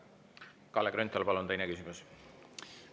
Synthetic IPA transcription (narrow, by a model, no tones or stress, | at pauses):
kɑlːekɾønt̪ːˑɑlpɑlunt̪ejnekysimus